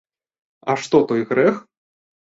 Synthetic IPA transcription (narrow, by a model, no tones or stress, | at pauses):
ɐʂt̪ɔt̪ɔjɣɾɛx